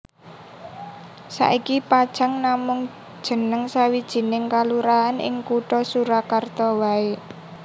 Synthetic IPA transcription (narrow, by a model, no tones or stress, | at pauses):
sa̰ʔikipad̥ʒ̥a̤ŋnamʊŋ | d̥ʒ̥ə̤nəŋsawid̥ʒ̥i̤nɪŋkaluɾaanʔɪ̰ŋkuʈɔsuɾakart̪ɔwae